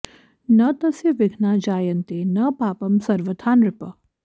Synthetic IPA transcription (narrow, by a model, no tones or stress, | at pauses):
nɐt̪ɐsjɐʋɪɡʱnaːd͡ʒaːjɐnt̪eːnɐpaːpɐmsɐɾʋɐd̪ʰʱaːnɾɪpɐ